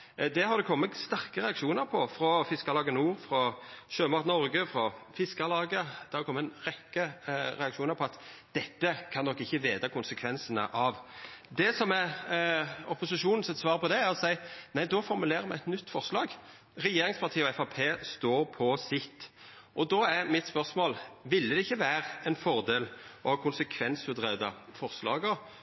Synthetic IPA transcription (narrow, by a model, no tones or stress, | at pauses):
d̪ɛɦɑɾd̪ɛkʰɔmːəst̪æʁkəɾɛɑkʃuːnəɾpʰɔfɾɔfɪskɑlɑːɡənəuːɾfɾɔʃøːmɑt̪nɔɾɡəfɾɔfɪskɑlɑːɡəd̪̥ɛhɑɾɛkɔmːəʁɛkːəɾɛɑkʂuːnəɾpʰɔɑt̪d̪̥ɛt̪ːəkʰɑnd̪ɔkːɪçːəʋeːd̪ɑkʰʊnsəkʰʋɛnsənə̰ʔɑʋd̪ɛsɔmɛɾ | ɔpʊsɪʃuːnn̩sɛt̪sʋɑːɾpɔd̪ɛæɾɔsæɪnæɪd̪ɔfɔɾmʉleːɾəmɛɛt̪nʏt̪ːfɔɾslɑːɡ | ɾɛjeːɾɪŋspʰɑʁt̪ʰiːɔɛfɑpʰeːst̪oːɾpʰɔsɪt̪ː | ʔɔd̪ɔæɾmɪt̪spœɾsmoːlʋɪlːəd̪ɛɪçːəʋæːɾɛnfɔɾd̪eːlɔhɑːkʰʊnsəkʰʋɛnsʉt̪ʁœd̪ɑfɔɾslɑ̰ːɡəɾ